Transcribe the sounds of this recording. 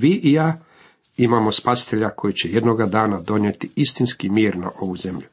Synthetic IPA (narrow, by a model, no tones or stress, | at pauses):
ʋiʔijaː | imamo̞spasi̥t̪eʎakʰo̞jit͡ɕeje̞d̪noɡad̪aːnad̪o̞njet̪iist̪inskimiːɾna̰ʔo̞ʋuze̞mʎu